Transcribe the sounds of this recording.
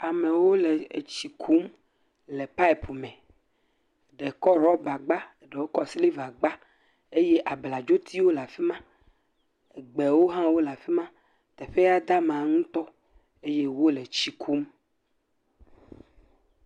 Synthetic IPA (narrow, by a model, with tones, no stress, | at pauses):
a˨mẽ˨wo˦le˨t͡ʃi˨kʰu˨˦m | le˨pa˦i˨po˨mɛ̃˨ | ɖe˨kɔ˦ɾɔ˦ba˨ɡ͡ba˦˨ɖe˨wo˦kɔ˦sli˦va˨ɡ͡ba˦ | e˦je˦ʔa˨bla˨d͡ʒo˦t̪ʰi˦wo˦la˨fi˦mã˦ | e˨ɡ͡be˨wo˦ɦã˦wo˦la˨fi˦mã˦ | t̪ɛ˨ɸe˦ja˦d̪a˦mã˨ŋũ˦t̪ɔ˦ | e˦je˦wo˦le˨t͡ʃi˨kʰu˦m